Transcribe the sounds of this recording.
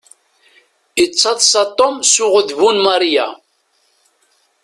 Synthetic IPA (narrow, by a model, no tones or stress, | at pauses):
iət͡sːɑðˤsɑt̪ˤːomsuʁəðvunmɑɾˤja̰